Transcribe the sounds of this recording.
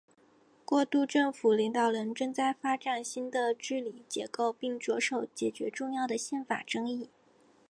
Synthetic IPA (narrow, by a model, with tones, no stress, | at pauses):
kwɔ˥˧t̪u˥˧ʈ͡ʂɤ˥˩ŋfu˨˩li˧˥ŋt̪ɑ˨˩ʊɻə˧˥nʈ͡ʂɤ˥˧ŋt͡sa˥˩ɪfa˥ʈ͡ʂa˨˩nɕi˥nd̪ə˨ʈ͡ʂɻ̩˥li˨˩t͡ɕjɛ˧˥ko˥˧ʊpi˥˩ŋʈ͡ʂwɔ˧˥ʂo˨˧˩ʊt͡ɕjɛ˨˩t͡ɕɥɛ˧˥ʈ͡ʂʊ˥˧ŋjɑ˥˩ʊd̪ə˩ɕjɛ˥˩nfa̰˨˩ʈ͡ʂɤ˥ŋi˥˩